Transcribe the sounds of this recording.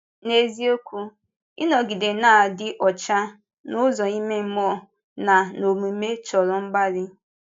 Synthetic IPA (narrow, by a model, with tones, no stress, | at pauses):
ne˦zi˦o˦kʷu˦ | ɪ˦nɔ˨ɡi˨de˨naː˦˨dɪ˦ʔɔ˨t͡ʃa˦ | nʊ˦zɔ˨i˦me˦m̩˦mɔ˦˨ | na˨no˨mu˨˦me˦t͡ʃɔ˨ɾɔ˨m̩˦ba˦ɾɪ˦